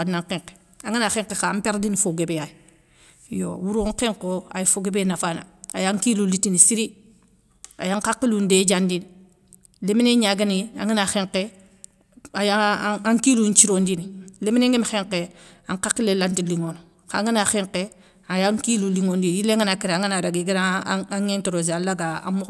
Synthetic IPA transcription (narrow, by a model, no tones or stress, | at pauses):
adnaŋkeŋke̥ | aŋinaxeŋkexampeɾdinifoɡebejaji | jo̰wuɾoŋqeŋkoa̰jifoɡebenafana̰ajaŋkilulitinisiɾi | a̰jaŋkakːilunded͡ʒandin | lemineɲaɡania̰ŋinaxeŋke | ajaaŋkiluɲt͡ʃiɾondinilemineŋɡimxeŋkeaŋkakːilelantiliŋon | kaŋinaxeŋke | ajaŋkiluliŋondijileŋinakiɾaŋinaɾaɡiɡiɾaaŋentoɾoːz̬alaɡaa̰mo